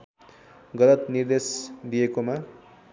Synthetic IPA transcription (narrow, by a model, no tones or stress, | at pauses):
ɡʌlʌt̪nird̪esd̪ijekoma